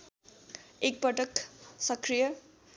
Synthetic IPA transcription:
ek̚pʌʈʌksʌkrijʌ

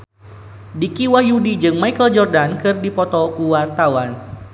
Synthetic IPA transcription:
dikiwahjudid͡ʒɨŋmaikəld͡ʒɔrdankɨrdipɔt̪ɔkuwart̪awan

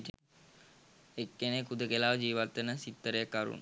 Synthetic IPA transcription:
ekːenekud̪əkelaːʋəd͡ʒiːʋat̪ːənəsit̪ːəɾəjəkːaɾṵn

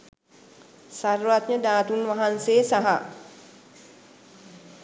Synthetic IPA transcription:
sarʋat̪ɲəd̪aːt̪unʋaɦanseːsaɦa

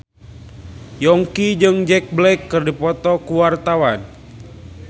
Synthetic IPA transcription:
jɔŋkid͡ʒɨŋd͡ʒɛk̚blɛkːɨrdipɔt̪ɔkuwart̪awan

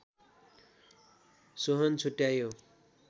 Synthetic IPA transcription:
soɦʌnt͡sʰuʈjajo

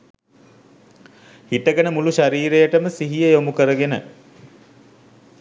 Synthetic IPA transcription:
hiʈəɡənəmuluʃaɾiːɾejəʈəməsiɦijəjomukəɾəɡenə̰

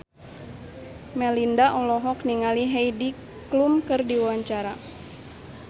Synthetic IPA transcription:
mɛlindaʔɔlɔɦɔkniŋaliɦejdi | klumkɨrdiwaɲt͡ʃaɾa

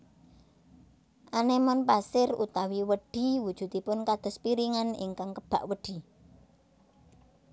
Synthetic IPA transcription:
ʔanemɔnpasɪrṵt̪awiwəɖ̥i̤wud̥ʒ̥ṳt̪ipʊnkad̪̥ɔ̤spiɾiŋanḭŋkaŋkəb̥a̤ʔwəɖ̥i̤

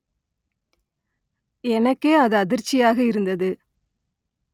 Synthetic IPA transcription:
ɛnɐkːeːɐðɯɐðɪɾt͡ʃːɪjaːɣɐɪɾɯnd̪ɐðɯ

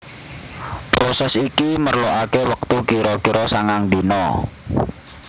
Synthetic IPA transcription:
pɾɔsɛsikimərloʔakewək̚t̪ukiɾɔkiɾɔsaŋaŋd̪inɔ

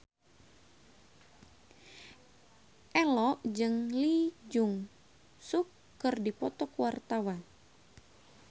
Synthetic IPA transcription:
ʔɛlɔʔd͡ʒɨŋlid͡ʒuŋ | sukːɨrdipɔt̪ɔkuwart̪awan

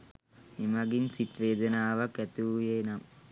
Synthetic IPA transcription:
imɐɡinsit̪ʋeːd̪ɐnaːʋɐkɛt̪uːjeːnɐm

